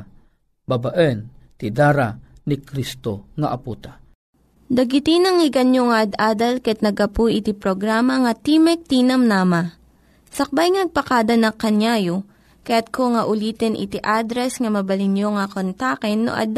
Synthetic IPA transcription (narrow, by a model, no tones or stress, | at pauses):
babaʔənt̪ɪd̪aːɾanikɾist̪oŋɐʔɐpuːt̪a | d̪ɐɡɪt̪inɐŋɪɡɐnjoŋɐʔɐd̪ʔaːd̪ɐlkɐɛt̪̚nɐɡɐpujʔɪt̪ipɾoɡɾaːmɐŋɐt̪imɛk̚t̪iːnɐmnaːma | sɐk̚bajŋɐnɐɡ̚pɐkad̪ɐnɐkɐnjaːjo | kɐjat̪̚kʰoŋɐʔʊliːt̪ɛnʔɪ̰t̪iʔad̪ɾɛsŋɐmɐbɐlɪnjoŋɐkont̪akɛnːo̰ʔɐ̰d̪